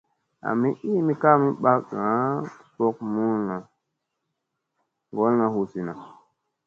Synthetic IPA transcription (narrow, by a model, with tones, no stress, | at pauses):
a̰˨mi˦ʔi˦mi˦ka˦mi˦ɓa˦za˨˦˨po˦k̚mu˦lna˨ | ŋɡo˦lna˨hu˨si˨na˨